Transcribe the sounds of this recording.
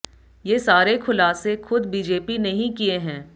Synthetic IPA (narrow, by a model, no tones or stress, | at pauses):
jeːsaːɾekʰʊlaːsexʊd̪biːd͡ʒeːpinɐɦĩkieɦɛ̃ː